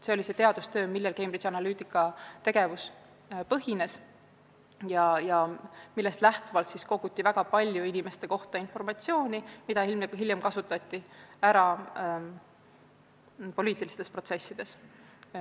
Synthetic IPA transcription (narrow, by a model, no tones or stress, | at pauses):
se̞olise̞t̪eɑd̪̥ust̪ø̞ːmilːelke̞jmbrit͡ʃiɑnɑlyːt̪ˑikːˑɑt̪e̞ɡ̥e̞vus | pɤɦine̞s | jɑjɑmilːe̞st̪læht̪uvɑlt̪sisko̞ɡut̪ʲːˑivæɡ̥ɑpɑlʲjuinime̞st̪e̞ko̞ht̪ɑinfo̞rmɑt̪sio̞ːnʲimid̪ɑhilmɦiljemkɑsut̪ːˑɑt̪ʲːˑiæɾɑ | po̞liːt̪ːˑilist̪e̞spro̞t̪se̞sːid̪̥e̞s